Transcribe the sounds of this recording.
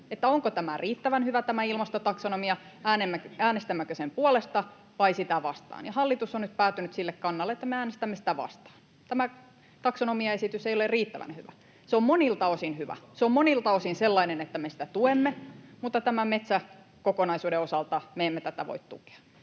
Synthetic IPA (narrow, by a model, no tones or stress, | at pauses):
et̪ːæoŋkot̪æmæriːt̪ːæʋænhyʋæt̪æmæilmɑst̪ot̪ɑksonomiɑæːnemːækæːnest̪æmːækøsempuolest̪ɑ | ʋɑisit̪æʋɑ̰st̪ɑ̰ːnjɑhɑlːit̪usonnyt̪̚pæːt̪ːynyt̪silːekkɑnːɑlːet̪ːæmeæːnest̪æmːesi̥t̪æʋɑ̰st̪ɑ̥ːn | t̪æmæ | t̪ɑksonomiɑesit̪ysejolerriːt̪ːæʋæ̰nhyʋæ̰ | seommonilt̪ɑosinhyʋæ̰seommonilt̪ɑosinselːɑinenet̪ːæmesi̥t̪æt̪uemːemut̪ːɑt̪æmæmet̪sæ | kokonɑisuːdeosɑlt̪ɑmeːmːet̪æt̪æʋo̰it̪t̪ṵke̥ɑ̥